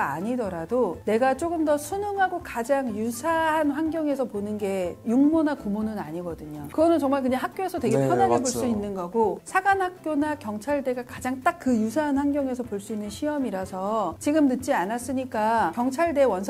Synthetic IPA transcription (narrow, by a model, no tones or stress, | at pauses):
a̰ɲidʌɾadone̞ɡat͡ɕ͈oɡɯmdʌsʰunɯŋɦaɡokad͡ʑaŋjusʰaɦanɸwanɡjʌŋe̞sʰʌponɯnɡe̞juŋmonakumonɯnaɲiɡʌdɯɲokɯɡʌnɯnt͡ɕʌŋmaɭkɯɲaɦak̚k͈joesʰʌtwe̞ɡepʰjʌnaɡeboɭs͈uinːɯnɡʌɡosʰaɡanhak̚k͈jonakjʌŋt͡ɕʰaɭde̞ɡakad͡ʑaŋt͈ak̚k͈ːɯjusʰaɦanɸwanɡjʌŋe̞sʰʌpoɭs͈uinːɯnɕʰiʌmiɾasʰʌt͡ɕiɡɯmnɯt̚t͡ɕ͈ianas͈ɯɲik͈akjʌŋt͡ɕʰaɭde̞wʌnsʰ